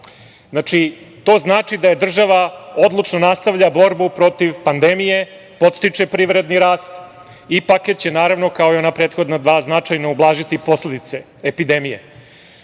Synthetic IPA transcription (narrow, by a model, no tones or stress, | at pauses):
zat͡ʂi | t̪o̞ːznaːt͡ʂid̪aje̞d̪r̩ʒaʋao̞d̪lˠut͡ʂno̞nast̪aʋʎabo̞ɾbupɾo̞t̪iʋpand̪e̞mije̞ | po̞t̪st̪it͡ʂepɾiʋɾe̞d̪niɾaːst̪ | ipaket̪t͡ɕe̞naːɾaʋno̞kao̞io̞napɾe̞ːt̪xo̞d̪nad̪ʋaːznat͡ʂajnaublˠaːʒit̪ipo̞sle̞d̪it̪se | epid̪e̞mije̞